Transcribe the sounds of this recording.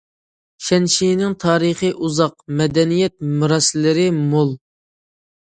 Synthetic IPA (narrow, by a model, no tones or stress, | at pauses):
ʃɛnʃijnɪŋt̪ʰɑːɾəχəʔuzɑqmɛd̪ɛnijɛt̪̚muɾɑsɪlːɪɾɪmolˠ